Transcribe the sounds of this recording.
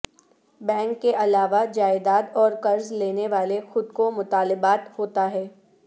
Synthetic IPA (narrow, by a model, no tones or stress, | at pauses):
bɛ̃ːŋkːeʔɐlaːʋad͡ʒaːɪd̪aːd̪ɔːɾkɐɾzleːneʋaːlexʊd̪̚komʊt̪aːlɪbaːt̪hoːt̪aɦɛː